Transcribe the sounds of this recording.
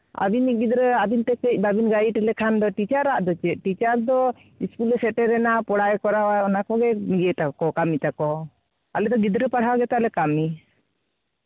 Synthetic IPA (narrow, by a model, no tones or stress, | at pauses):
a̰biniʔ̚ɡid̪ɾəabint̪ɛkəc̚ˀbabinɡaiʈɛlɛkʰand̪ɔʈit͡ʃaɾaʔd̪ɔt͡ʃɛʔ̚ʈit͡ʃaɾd̪ɔ | iskulɛsɛʈɛɾɛnapɔɽajkɔɾawaɔnakɔɡɛmiɡɛt̪akɔkamit̪akɔ | alɛd̪ɔɡid̪ɾəpaɽ̤awaɡɛt̪alɛkami